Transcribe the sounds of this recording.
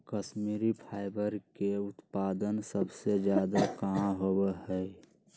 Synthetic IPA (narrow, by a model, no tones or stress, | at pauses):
kəʃmiːɾipʰaːɪbəɾkeʊt̪paːd̪ənsəbsed͡ʒjaːd̪akaɦɦowehɛ